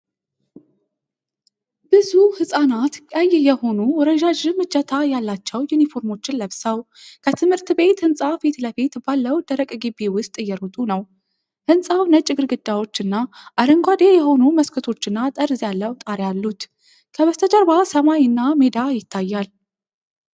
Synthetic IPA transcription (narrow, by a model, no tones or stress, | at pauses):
b̥ɨzuhɨsʼanat̪kʼəjjɛho̞nuwɔɾəʒaʒɨmɨt͡ʃːət̪ʰajalːat͡ʃːɛwjunifo̞ɾmo̞t͡ʃːɪnləβsəw | kʰət̪ʰɨmhɨɾt̪be̞t̪hɨnsʼafet̪ləfe̞t̪balːəwd̪əɾəkʼɡibːiwʊst̪ʼɨjɛɾot̪ʼunəw | hɨnsʼawnət͡ʃʼːɪɡɨɾɡɨd̪ːawo̞t͡ʃːɨnːaʔaɾəŋɡʷwad̪e̞jɛho̞numəskʰɨt̪ʰo̞t͡ʃːɨnːat̪ʼəɾzjalːəwt̪ʼaɾjalːut̪ | kʰəβəst̪ʰət͡ʃʼəɾbasəmajɨnːamed̪ajɪt̪ʰːajːal